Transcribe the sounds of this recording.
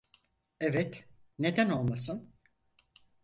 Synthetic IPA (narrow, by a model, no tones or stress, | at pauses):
evɛt̪ne̞d̪æno̞lˠmasɯn